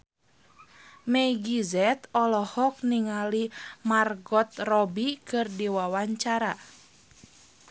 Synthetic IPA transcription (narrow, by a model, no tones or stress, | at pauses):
mɛjɡizɛt̪ɔlɔhɔk̚niŋalimarɡɔt̪̚rɔbikɨrdiwawaɲt͡ʃaɾa